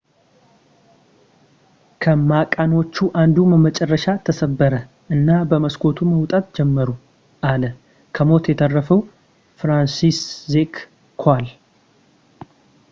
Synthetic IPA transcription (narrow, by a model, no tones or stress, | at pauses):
kʰəmakʼano̞t͡ʃːuʔand̪uməmət͡ʃʼɛrːəʃat̪ʰəsəbːəɾə | ʔɨnːabəməskʰo̞t̪ʰuməwt̪ʼat̪d͡ʒɛmːəɾu | ʔalə | kʰəmo̞t̪jɛt̪ʰərːəfəw | fɾansiszek | kʰal